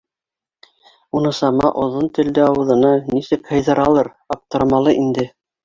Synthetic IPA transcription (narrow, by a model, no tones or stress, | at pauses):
unɤ̆sɑmɑʔŏðont̪ɘ̆ld̪ɘɑwɤ̆ðɤ̆nɑnisɘkhɤ̆jðɤ̆ɾɑlˠɤɾ | ɑp̚t̪ɤ̆ɾmɑlˠɤʔind̪ɘ